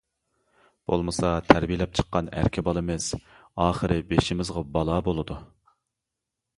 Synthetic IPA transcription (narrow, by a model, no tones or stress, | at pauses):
b̥o̰lˠmɨsɑt̪ʰæɾbijlɛp̚t͡ʃʰə̥qːɑnæ̰ɾkʲʰɪbɑlˠɨmɪs | ɑːχəɾɪbeʃimɪzʁɑbɑlˠɑːbolˠɨd̪u